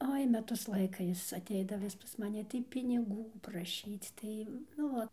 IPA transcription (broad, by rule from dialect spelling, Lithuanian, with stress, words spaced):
ˈoːɪ ˈmʲæːtʊs ˈlˠɐɪkɐ ˈjɪs ɐtʲˈɛɪdɐʋɐ ʋʲɪs pɐs mɐˈnʲɪ tɐɪ pʲɪnʲɪˈɡuː prɐˈʃʲiːt͡s ˈtɐɪ nʊ ˈoː